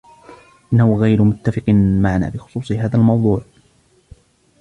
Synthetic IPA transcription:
ʔɪnːahʊɣajɾʊmʊt̪ːafɪqmaʕana̰ːbɪxʊ̥sˤuːsˤɨɦaːðalmɑwd̪ˤuːʕ

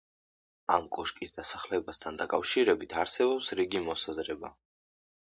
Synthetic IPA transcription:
amkʼɔʃkʼisd̪asaχlɛbast̪ʰand̪akʼafʃiɾɛbit̪ʰaɾsɛbɔpsɾiɡimɔsazɾɛba̰

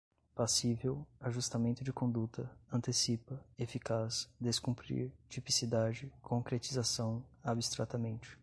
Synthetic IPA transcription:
pasivewaʒust̪amẽnt̪ʊd͡ʒɪkõnd̪ut̪ɐɐ̃nt̪esipɐefikasd̪eskũmpɾḭɾt͡ʃipisid̪ad͡ʒɪkʰõkɾet͡ʃizasɐ̃w̃abist̪ɾat̪amẽnt͡ʃɪ̥

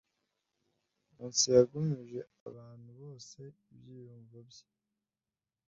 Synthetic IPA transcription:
muːnsijaɡumiʒe̞a̰βaːn̥huβo̞ːse̞ibjiːjuːɱvobje̥

